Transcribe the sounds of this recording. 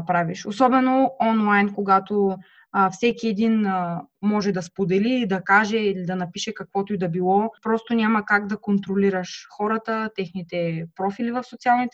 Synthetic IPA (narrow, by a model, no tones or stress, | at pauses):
pɾaviʃosɔbɛnoɔnlˠajnkoɡat̪o | fsɛkiɛd̪inmɔʒɛd̪ɐspod̪ɛlid̪ɐkaʒɛilid̪ɐnɐpiʃɛkɐkvɔt̪ʊid̪ɐbilˠɔpɾɔst̪onʲamɐkaɡd̪ɐkont̪ɾoliɾəʃxɔɾət̪ət̪ɛxnit̪ɛpɾɔfilivɐfsot̪sialˠnit̪ɛ